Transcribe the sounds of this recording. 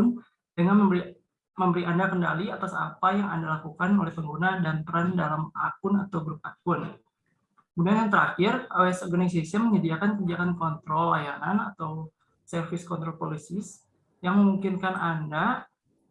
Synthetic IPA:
n | dəŋanə | məmbəɾiʔandakənda̰liat̪asa̰pajaŋa̰ndalakukanolɛhpəŋɡunadant̪əɾandalama̰k̚ʊnat̪awɡɾʊp̚akʊn | mudaanjaŋt̪əɾa̰kɪraɛsɔrɡanas̬asiaməɲədiakankədiakankɔnt̪ɾɔlːa̰janana̰t̪aw | sɛrfɪskɔnt̪ɾɔlpolisɪs | jaŋməmuŋkɪnkananda

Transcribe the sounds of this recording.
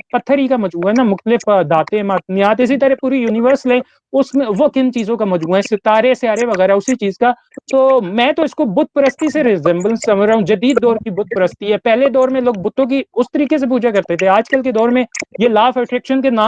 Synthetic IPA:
pɐt̪ʰːəɾikamɐd͡ʒmuːɦɛnamʊxt̪əlɪfd̪aːt̪ẽmaːt̪nɪjaːt̪ɪsit̪əɾɛpuːɾijuːnɪʋəɾslɛ̃ː | ʊsmẽʋokɪnt͡ʃiːzõkamɐd͡ʒmuːaɦɛsɪt̪aːɾeseaːɾeʋɐɣɛːɾaʊsit͡ʃiːzka | t̪oːmɛ̃ːt̪oɪskobʊt̪̚pəɾəst̪iseɾɪzɛ̃mblənsɐmd͡ʒɾəɦũd͡ʒɐd̪iːd̪̚ːɔːɾkibʊt̪̚pəɾəst̪iɦɛːpɛɦled̪ɔːɾmẽloːɡ̚bʊt̪ʰːõk̬iʊst̪əɾiːkes̬ep̬uːd͡ʒakɐɾt̪et̪ʰeaːd͡ʒkəlked̪ɔːɾmẽjelaːfɛʈɾɪkʃənkenãː

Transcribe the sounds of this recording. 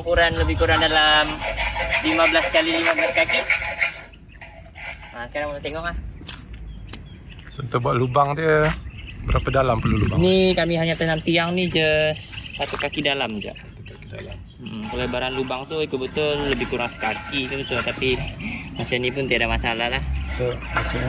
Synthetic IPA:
ŋkuɾanləbɪhkuɾaŋdalamlimabəlaskalilimablaskaki | asəkaɾaŋunat̪eŋɔk̚ah | sənt̪əbaʔlubaŋdiə | bəɾapədalampəlulubanikamiɦaɲat̪ənamt̪iaŋnid͡ʒəsːat̪ukakidalamd͡ʒa̰ʔt̪ukakidala | ʔm̩solabaɾanlubaŋt̪uik̪ubət̪ʊlːəbɪhkuɾaŋsə̥kakik̪ubət̪ʊlt̪apimat͡ʃanipʊnt̪iadamasalahlahsomasi

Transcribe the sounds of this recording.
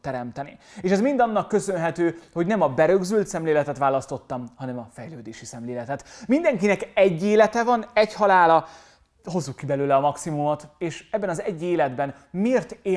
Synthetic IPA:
ɛɾɛmt̪ɛnieːʃɛzmind̪ɒnːɒkːø̞sønɦɛt̪øːho̞ɟnɛmɒbɛɾø̞ɡzylt̪sɛmleːlɛt̪ɛt̪ʋaːlɒst̪o̞t̪ːɒmhɒnɛmɒfɛjløːd̪eːʃisɛmleːlɛt̪ɛt̪mind̪ɛŋkinɛkɛɟːeːlɛt̪ɛvɒnɛchɒlaːlɒ | ɦo̞zːukːibɛløːlɛɒmɒksimumot̪eːʃɛbːɛnɒzɛɟːeːlɛd̪bɛn | meːrt̪eː

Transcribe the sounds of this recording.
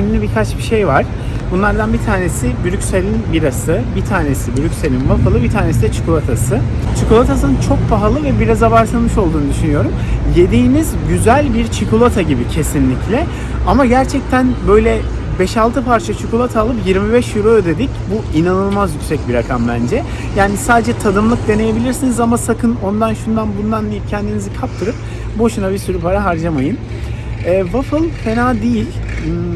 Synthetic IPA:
nynʲybikʰat͡ʃbiʃe̞jvaɾ̥ | bunlˠaɾd̪anbit̪ʰaːne̞sibyɾycʲselʲinbiɾasɯbit̪ʰaːne̞sibyɾycʲselʲinmafalˠɯbit̪ʰaːnesid̪ɛt͡ʃʰɯ̥kulˠat̪ʰasɯ | t͡ʃʰukulˠat̪ʰasɯnɯnt͡ʃʰo̞k̚pʰaɦalˠɯvɛbiɾazavaɾsamɯʃo̞lˠd̪uːnɯd̪yʃynyjo̞ɾumje̞d̪iːnizɟyzælʲbiɾt͡ʃʰikulˠat̪ʰaɟibicʰe̞sinlʲiclʲɛ | amaɟæɾt͡ʃʰɛc̚t̪ʰænbø̞jlʲɛ | bɛʃalˠt̪ʰɯpʰaɾt͡ʃʰat͡ʃʰukolˠat̪ʰaːlˠɯpjiɾmibɛʃjiɾoød̪e̞d̪icbuinanɯlˠmazjyksɛc̚biɾakʰambænd͡ʒɛ | jaːnisaːd̪e̞d͡ʒɛt̪ʰad̪ɯmlˠɯk̚d̪e̞ne̞je̞bilʲiɾsinizamasakʰɯno̞nd̪anʃund̪anbund̪and̪ijip̚cʰɛnd̪inizikʰapt̪ʰɯɾɯp̚ | bo̞ʃunabisyɾypaɾaɦaɾd͡ʒamajɯm | ɛːvafɯlˠfe̞naːd̪ejilʲ

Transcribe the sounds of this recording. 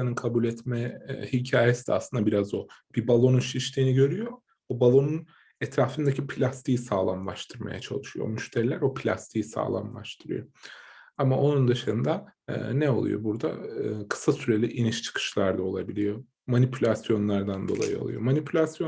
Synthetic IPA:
anɯnkʰabulʲɛt̪mɛhicʰaːjesid̪̥ʲɛ̰a̰sˠɯnd̪abiɾazo̞b̥ibalˠo̞nunʃiʃt̪ʰiːniɟø̞ɾyjo̞ | obalˠo̞nun | ɛt̪ɾaːfɯnd̪acʰipʰilʲast̪ijisaːlˠamlˠaʃt̪ʰɯɾma̰ja̰t͡ʃʰa̰lˠɯʃɯjo̞̰myʃt̪ʰɛɾlʲæɾo̞pʰilʲa̰st̪ʰijisa̰ːlˠa̰mlˠa̰ʃt̪ʰɯɾɯ̰jo | amaʔo̞nund̪ɯʃɯnd̪a̰ːnɛo̞̰lˠṵjo̰buɾd̪a̰ɯkʰɯ̥sasyɾe̞lʲiʔiniʃt͡ʃʰɯ̥kʰɯ̥ʃlˠaɾd̪ao̞lˠabilʲijo̞ | manipʰylʲasjo̞nlˠaɾd̪and̪o̞lˠa̰jɯo̰lˠṵjo̞̰manipʰylʲasjo

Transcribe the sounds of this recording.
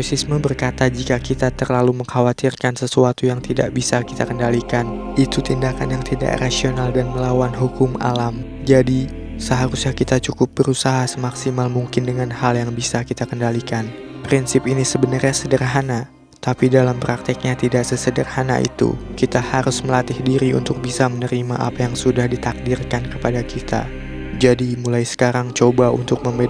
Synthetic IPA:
osisməbərkat̪ad͡ʒikakit̪at̪ərlaluməŋhawat̪irkansəsuat̪ujaŋt̪ida̰ʔbisaki̥t̪akəndalikan | it̪ut̪indakanjaŋt̪ida̰ʔrasionaldanməlawanɦukʊma̰lam | d͡ʒadi | səɦaɾusɲakit̪at͡ʃukʊp̚bəɾusaɦasəmaksimalmuŋkɪndəŋanhaljaŋbisakit̪akəndalikan | pɾinsɪpinisəbənərɲasədərɦana | t̪apidalampɾak̚t̪ik̚ɲat̪idaʔsəsədərhana̰ʔḭt̪ṵkit̪ahaɾʊsməlat̪ɪhdiɾiṵnt̪ʊk̚bisamənəɾima̰ʔa̰pajaŋsudahdit̪ak̚dɪrkankəpadakit̪a̰ | d͡ʒadimulajsə̥kaɾaŋt͡ʃobaṵnt̪ʊk̚məmbe

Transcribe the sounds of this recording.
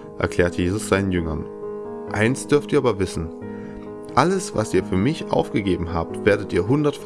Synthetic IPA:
ʔɛ̰ɐkʰl̥ɛːɐtəjeːzʊsz̥aɪnənjʏŋɐn | ʔaɪnstd̥ʏɐftiːɐaːbɐvɪsn̩ | ʔaləsva̰sʔiːɐfyːɐmɪçʔa̰ʊfɡ̥əɡeːbm̩ɦaːp̚tv̥eːɐdətʔiːɐɦʊndɐtf

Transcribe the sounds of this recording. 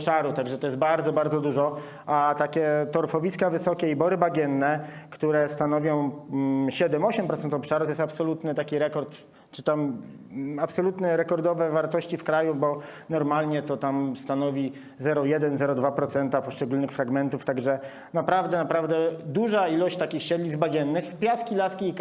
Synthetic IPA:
pʂaɾut̪aɡʐɛt̪ɔjɛbaɾd̪zɔbaɾd̪zɔd̪uʐɔ | at̪akʲɛt̪ɔɾfɔvʲiskavɘsɔkʲɛibɔɾɘbaɡʲjɛnːɛkt̪uɾɛst̪anɔvʲjɔ̃w̃ɕɛd̪ɛmɔɕɛmpɾɔt̪ɛnt̪ɔpʂaɾut̪ɔjɛst̪apsɔlut̪nɘt̪akʲiɾɛkɔɾt̪ | t͡ʂɘt̪am | apsɔlut̪nɛɾɛkɔɾd̪ɔvɛvaɾt̪ɔɕt͡ɕifkɾajubɔnɔɾmalɲɛt̪ɔt̪amst̪anɔvʲi | zɛɾɔjɛd̪ɛnzɛɾɔd̪vapɾɔt̪sɛnt̪apɔʂt͡ʂɛɡulnɘxfɾaɡmɛnt̪uft̪aɡʐɛ | napɾavd̪ɛnapɾavd̪ɛd̪uʐailɔɕt͡ɕt̪akʲixɕɛd̪lʲizd̪baɡʲjɛnːɘxpʲjaskʲilaskʲiːk

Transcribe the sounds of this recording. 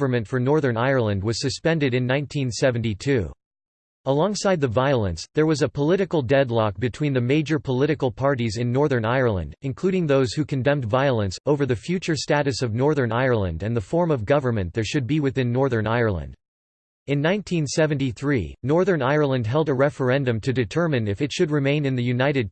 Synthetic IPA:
və˞mɨ̃ntfə˞nɔɹðə̃˞naɪə˞lˠə̃nd̚wʌz̥sɨspɛ̃ndɨɾɨ̃nːãɪ̃ntʰĩnsɛṽn̩titʰʉ̰ | əlɔ̃ŋsaɪd̪̚ðɨvaɪlˠə̰̃nsðə˞wʌzɨpʰəlɪɾɨkl̩ˠdɛdˡlɑk̚b̥ɨtʰw̥ĩnðɨmeɪd͡ʒə˞pʰəlɪɾɨkl̩ˠpʰɑɹɾizɨ̃nːɔɹðə̃˞naɪə˞lˠə̰̃ndɨ̃nkʰl̥ʉɾɪ̃ŋðoʊz̥hʉkʰɨ̃ndɛ̃mdvaɪəlˠə̃nsoʊvə˞ðɨfjʉt͡ʃə˞stæɾɨsʌvnɔɹðə̃˞naɪə˞lˠə̰̃ndɨ̃nðəfɔɹmʌvɡʌvə˞mɨ̃nðə˞ʃɨd̚biwɨθɪ̃nːɔɹðə̃˞naɪə˞lˠə̰̃nd̥ | ɨ̃nːãɪ̃ntʰĩnsɛvɨ̃ntiθɹḭnɔɹðə̃˞naɪə˞lˠə̃nd̚ɦɛlˠdəɹɛfə˞ɛ̃ndɨ̃mtʰɨdɨtʰɜ˞mɨ̃nɨfɨtʃɨd̚ɹɨmẽɪ̃nɨ̃nðɨjʉnaɪɾɨd̚

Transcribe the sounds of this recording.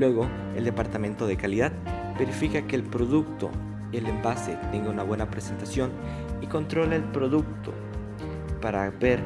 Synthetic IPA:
lweɣo̞ | eld̪epaɾt̪ament̪o̞ðe̞kaliðað̚ | beɾifikakeːlpɾoðuk̚t̪o̰ | ielembaset̪eŋɡaunaβwe̞napɾese̞nt̪asjo̞n | iko̞nt̪ɾo̞leːlpɾo̞ðuk̚t̪o | paɾabeɾ

